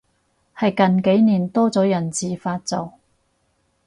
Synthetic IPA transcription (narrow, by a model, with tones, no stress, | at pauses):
hɐ˨jkɐ˨nke˨˥jniː˨˩nt̪ɔː˥t͡sɔː˨˥jɐ˨˩nt͡siː˨faː˧t̚t͡so˨w